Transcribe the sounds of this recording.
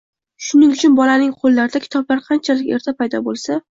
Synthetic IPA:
ʃʊnɪŋʊt͡ʃʰʊnbɒlanɪŋqʰolˠːaɾd̪akʲʰɪ̥t̪ʰɒblaɾqʰɑnt͡ʃʰalɪkʲe̞ɾt̪ʰapajd̪ɒbolˠsa

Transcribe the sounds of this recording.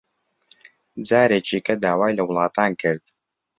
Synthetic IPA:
d͡zaːɾeːt͡ʃiːkʰɐd̪aːwaːjlɐwʊlˠɑːt̪ʰaːnkʰɨɾd̪̥

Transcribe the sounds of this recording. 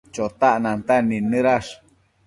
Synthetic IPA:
t͡ʃot̪aʔnant̪aninɨɾaʂ

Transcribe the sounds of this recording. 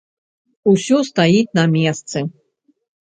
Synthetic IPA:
usʲɔst̪ajit̪̚ʲnɐmʲɛst̪sɨ

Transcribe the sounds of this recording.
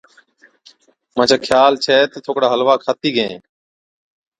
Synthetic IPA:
mãːt͡ʃʰaːkʰjaːlt͡ʃʰɛːt̪ət̪ʰoːkɽaːɦəlʋaːkʰaːt̪iːɡʱẽː

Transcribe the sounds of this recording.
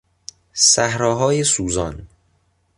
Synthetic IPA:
sæhɾɒːɦɒːjesuːzɒːn

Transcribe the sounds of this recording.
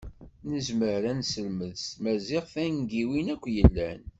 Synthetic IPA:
nəzməɾɾænsəlməðsmæzɪʁfænɡiwinækʷːjəlːæn

